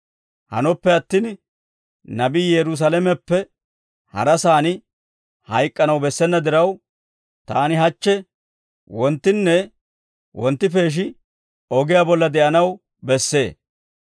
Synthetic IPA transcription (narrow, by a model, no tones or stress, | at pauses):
hɐ̰nɔpːɛɐt̪ːiːn | nɐbiːjɛɾʊs̬ɐlɛmɛpːɛ | hɐ̰ɾɐsaːnɪ | hɐjkʼːɐnɐwbɛsːɛnːɐd̪ɪɾɐw | t̪aːnɪɦɐt͡ʃːɛ | wɔnt̪ːɪnːɛ | wɔnt̪ːɪfe̞ːʃ̬ɪ | ɔɡɪjabɔlːɐd̪ɛʔɐnɐw | bɛsːe̞ː